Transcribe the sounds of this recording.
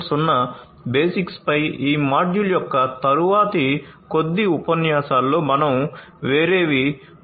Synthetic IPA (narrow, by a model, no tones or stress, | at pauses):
sunːɐ | beːsikspɐjiːmaːɖjuljɔkːɐt̪ɐɾuʋaːt̪ikod̪ːiupɐnjaːsaːlːo̞ːmɐnɐmʋeːɾe̞ːʋi